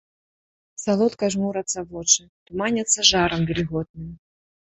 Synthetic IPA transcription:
salˠɔt̪kɐʐmuɾɐt̪sːɐvɔt͡ʂɨ | t̪umanʲɐt̪sːɐʐaɾɐmɡʲɪlʲɪɣɔd̪̚nɨm

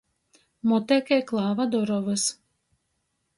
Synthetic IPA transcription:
mɔt̪ɛkʲɛjklˠaːvad̪ɔɾɔvɨs

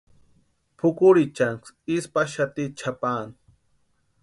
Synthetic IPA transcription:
pʰʊkʊɾit͡ʃaŋksispaʃat̪it͡ʃʰapaːni

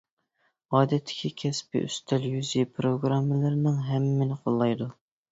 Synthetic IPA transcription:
ɑːd̪ɛt̪ʰːɪ̥kʲʰikʲʰɛspɪ̰ʔy̰st̪ʰɛljyzipʰɾoɡɾɑmːɪləɾnɨŋɦɛmːɪnɪqʰolˠːɑjd̪u

